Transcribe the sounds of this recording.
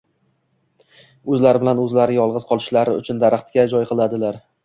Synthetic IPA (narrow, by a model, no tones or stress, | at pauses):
ɵzlaɾɪbɪlanɵzlaɾɪjɒlˠʁɨzqʰɒlˠɪʃlaɾɪʊ̰t͡ʃʰʊnd̪aɾaχt̪kʲad͡ʒɒjqʰɨlˠad̪ɪlaɾ